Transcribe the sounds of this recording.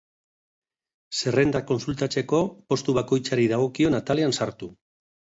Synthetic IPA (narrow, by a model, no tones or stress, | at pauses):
se̞re̞nd̪ako̞nsult̪at͡se̞ko̞po̞st̪uβ̞ako̞jt͡saɾiðaɣ̞o̞kio̞nat̪aleansaɾt̪u